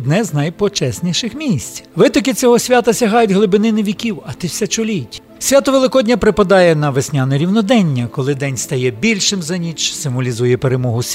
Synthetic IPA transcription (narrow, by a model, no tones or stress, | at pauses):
d̪nɛznɐjpɔt͡ʃɛsʲnʲiʃɪxmʲisʲt͡sʲʋɪt̪ɔkɪt͡sʲɔɦɔsʲʋʲat̪ɐsʲɐɦɑjʊtʲɦlˠɪbɪnɪnɪʋʲikʲiwɐt̪ɪwsʲɐt͡ʃʊlʲitʲ | sʲʋʲat̪ɔʋelˠɪkɔdʲnʲɐpɾɪpɐd̪ɑjɛnɐʋesʲnʲanɔɾʲiwnɔd̪ɛnʲːɐkɔlˠɪd̪ɛnʲst̪ɐjɛbʲilʲʃɪmzɐnʲit͡ʃsɪmʋɔlʲizujɛpeɾemɔɦʊsʲ